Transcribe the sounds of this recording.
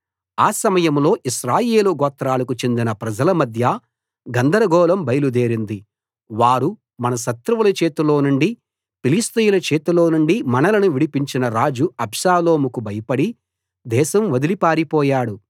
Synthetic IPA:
aːsɐmɐjɐmlo̞ːʔiʃɾaːjeːluɡɔːt̪ɾaːlɐkut͡ʃe̞nd̪inɐpɾɐd͡ʒɐlɐmɐd̪ʱjɐ | ɡɐnd̪ɐɾɐɡɔːlɐmbɐjlud̪eːɾind̪i | ʋaːɾu | mɐnɐʃɐt̪ɾuʋɐlɐt͡ʃeːt̪ulo̞ːnuɳɖi | pilist̪ɐjulɐt͡ʃeːt̪ulo̞ːnuɳɖimɐnɐlɐnuʋiɽipiɲt͡ʃinɐɾaːd͡ʒuɐbʃaːlo̞ːmukubɐjɐpɐɽi | d̪ɛːʃɐmʋɐd̪ilipaːɾipɔːjaːɽu

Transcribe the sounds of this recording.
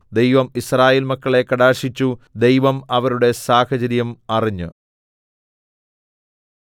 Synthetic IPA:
d̪e̞jʋɐmisraːjeːlmɐkːɐɭe̞kːɐɽaːrʂit͡ɕːud̪e̞jʋɐmɐʋɐɾuɽe̞saːhɐt͡ɕɐɾjɐmɐriɲːɨ

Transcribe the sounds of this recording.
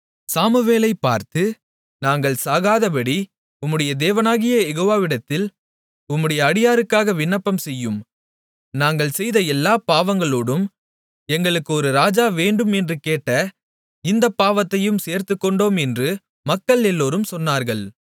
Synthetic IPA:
saːmɯʋeːlɐɪpːa̰ːɾt̪ɯ | naːŋɡɐɭsaːɣaːðɐpɐɽi | ʊmːɯɽɐjɐd̪eːʋɐnaːɣɪjɐjɛɣoːʋaːʋɪɽɐt̪ːɪl | ʊmːɯɽɐjɐːɽɪjaːɾɯkːaːɣɐʋɪɳːɐpːɐmsɛjːɯm | naːŋɡɐɭsɛjðɐɛlːaːpaːʋɐŋɡɐɭoːɽɯm | ɛŋɡɐɭɯkːɯɔɾɯɾaːd͡ʒaːʋeːɳɖɯmɛndrɯkeːʈːɐ | ɪnd̪ɐpːaːʋɐt̪ːɐjɯmseːɾt̪ɯkːɔɳɖoːmɛndrɯ | mɐkːɐɭɛlːoːɾɯmsɔnːaːɾɣɐɭ

